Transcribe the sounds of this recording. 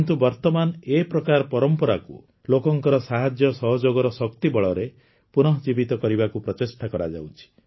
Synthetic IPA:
nt̪ubɔɾt̪ɔmanepɾɔkaɾɔpɔɾɔmpɔɾakṵ | lokɔŋkɔɾɔsaɦad͡ʒjɔsɔɦɔd͡ʒoɡɔɾɔsɔkt̪ibɔɭɔɾe | punɔɦɔd͡ʒibit̪ɔkɔɾibakupɾɔt͡ʃesʈʰakɔɾa̰d͡ʒa̰wt͡ʃʰi̥

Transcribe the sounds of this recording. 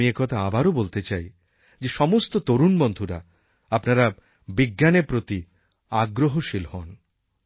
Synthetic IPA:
iekɔt̪ʰaabaɾobolt̪et͡ɕaj | d͡ʑeʃɔmost̪ot̪oɾunbond̪ʱuɾa̰ | apnaɾa | biɡːanepɾot̪i | aɡɾoɦoʃilhɔn

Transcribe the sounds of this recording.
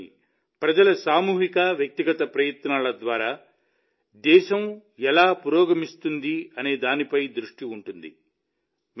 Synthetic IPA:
pɾɐd͡ʒɐlɐsaːmuːɦikɐʋjɐk̚t̪iɡɐt̪ɐpɾɐjɐt̪naːlɐd̪ʋaːɾaː | d̪ɛːʃɐmɛlaːpuɾɔːɡɐmist̪und̪iɐne̞ːd̪aːnipɐjd̪ɾuʂʈiuɳʈund̪ḭ | m

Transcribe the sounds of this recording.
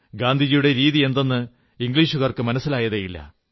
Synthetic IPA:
ɡaːnd̪ʱid͡ʑijuɽe̞ɾiːðie̞nd̪onːɨ | iŋɡliːʂuɣɐrkɨmɐnɐsːilaːjɐðejilːɐ̰

